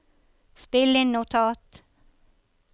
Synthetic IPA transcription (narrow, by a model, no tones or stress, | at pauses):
spɪlːɪŋnʊt̪ʰɑːt̪